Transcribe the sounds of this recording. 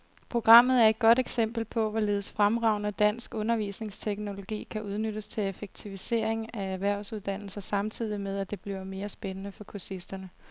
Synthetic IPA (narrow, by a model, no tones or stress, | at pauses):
pʰʁoɡ̥ʁɑ̈m̰ð̞̩ˠæɐe̝d̚ɡ̥ɒ̽ɾeɡ̥sem̰b̥l̩pʰɒ̽ʋɒle̝ːð̞̩ˠsfʁamʁɑ̈ʊnəd̥æn̰sɡ̥ɔ̽nɐʋḭːsne̝ŋst͡sʰeɡ̥no̝lo̝ɡ̥ḭːkʰæʔuð̞ˠnød̥əst͡sʰe̝lefeɡ̥̚t͡sʰiʋise̝ːɐ̰eŋææʋæɐ̰ʊsuð̞ˠd̥æn̰l̩sɐsɑ̈mt͡sʰið̞̰ˠimeð̞ˠæd̥e̝b̥liʊme̝ːɐsb̥enənəfɒ̽kʰusisd̥ɐnə